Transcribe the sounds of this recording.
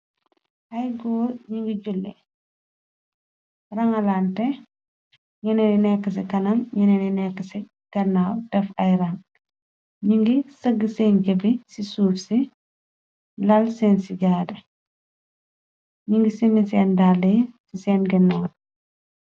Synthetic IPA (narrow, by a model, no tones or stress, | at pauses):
ʔɐjɡɔːɲiŋɡiɟulːɛ̰ | rɐŋɐlaːntɛ | ɲɐnɛninɛkːəs̬ikɐnɐmɲɐnɛninɛkːəsi | ɡ̥ɐnːaːwdɛfɐjɾɐŋ | ɲiŋɡisɐɡːəsɛːnɟɐbisisuːfsi | lɐlsɛːnsiɟaːdɛ | ɲiŋɡisimisɛːndalesisɛːnɡɛnːaːw